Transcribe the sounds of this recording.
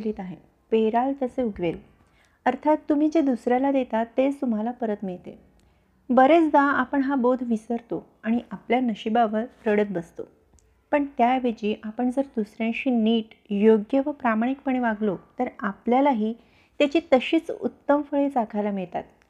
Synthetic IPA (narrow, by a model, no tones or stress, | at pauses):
liːt̪aɦe | peɾalt̪əseuɡʱʋel | əɾt̪ʰat̪ːum̤iːd͡ʑed̪usɾjalad̪et̪at̪ːest̪um̤alapəɾət̪miɭt̪ḛ | bəɾet͡sd̪aapəɳɦabod̪ʱʋisəɾt̪o | aɽ̃iʔapljanəɕibaʋəɾɾəɽət̪̚bəst̪o̰ | pəɳt̪jaʋed͡ʑiːʔapəɳd͡zəɾd̪usɾjãɕiːniːʈjoɡjəʋəpɾamaɽ̃ik̚pəɳ̃eʋaɡlot̪əɾapljalaɦiː | t̪jat͡ɕiːt̪əɕiːt͡sṵt̪ːəmfəɭet͡sakʰajlamiɭt̪a̰t̪̚